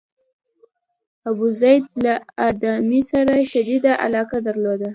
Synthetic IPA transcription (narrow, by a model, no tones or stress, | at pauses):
abuzajd̪̚laad̪amisaɾaʃad̪id̪aʔa̰lɑkad̪aɾlod̪a